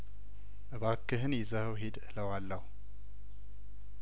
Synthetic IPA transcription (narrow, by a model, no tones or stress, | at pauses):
ʔɨβakːɨɦɨnjɛzəhwɦed̪ɨləwalːəhu